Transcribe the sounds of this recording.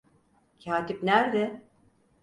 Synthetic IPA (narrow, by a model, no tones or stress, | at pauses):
cʰaːt̪ʰipnæɾd̪ɪ